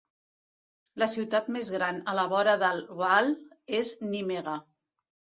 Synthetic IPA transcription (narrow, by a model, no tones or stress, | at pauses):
ləsiwt̪at̪mezɣɾanələβ̞ɔɾəðəlˠβalˠ | eznimeɣə